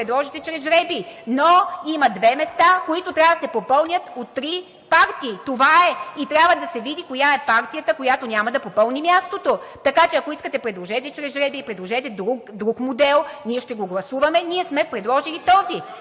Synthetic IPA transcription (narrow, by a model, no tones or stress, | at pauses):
ɾɛd̪lˠɔʒɛt̪ɛt͡ʃɾɛzɾɛbinoimɐd̪vɛmɛst̪akoit̪ot̪ɾʲavəd̪ɐsɛpopɤlˠnʲət̪ot̪ːɾi | paɾt̪iːt̪ovaɛit̪ɾʲabvəd̪ɐsɛvid̪ikojaɛpaɾt̪ijət̪əkojat̪onʲamɐd̪ɐpopɤlˠnimʲjast̪ot̪ot̪ɐkat͡ʃɛɐkoiskət̪ɛpɾɛd̪lˠoʒɛt̪ɛt͡ʃɾɛzɾɛbiːpɾɛd̪lˠoʒɛt̪ɛd̪ɾukd̪ɾukmod̪ɛlˠnʲiɛʃt̪ɛɡoɡlˠɐsuvɐmɛniɛsmɛpɾɛd̪lˠɔʒilit̪ɔzi